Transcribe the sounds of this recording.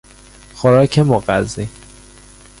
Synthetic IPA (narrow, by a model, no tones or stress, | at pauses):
xoɾɒːcʰemoɢæzi